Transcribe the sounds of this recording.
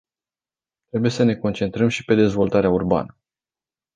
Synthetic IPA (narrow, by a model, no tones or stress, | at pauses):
t̪ɾe̞bujesəne̞ko̞nt͡ʃe̞nt̪ɾəmʃi̥pe̞d̪e̞zvo̞lt̪aɾeaurba̰nə